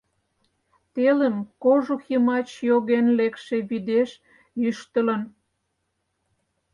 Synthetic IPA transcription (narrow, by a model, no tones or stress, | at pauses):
t̪eləmkoʒuximɑt͡ɕjoɣenlekʃeβyd̪eʃ | jyʃt̪ə̆lə̆n